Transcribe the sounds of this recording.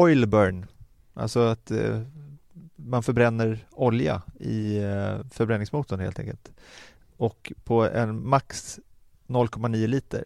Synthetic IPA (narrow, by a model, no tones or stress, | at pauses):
ɔjlbœɳ | ʔa̰lsɔat̪ | manfœɾbɾɛnːəɾɔlja̰ɪ̰ | fœɾbɾɛnːɪŋsmuːt̪ənhḛːlɛ̰ŋkə̰lt̪ | ɔkpʰɔɛ̰nmaks | nɔlːkʰɔmaniːʊliːt̪ə̰ɾ